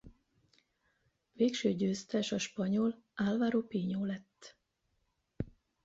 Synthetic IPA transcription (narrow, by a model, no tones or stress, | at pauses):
veːkʃøːɟøːst̪ɛʃɒʃpɒɲo̞l | aːlvaːɾopiːɲoːlɛt̪ː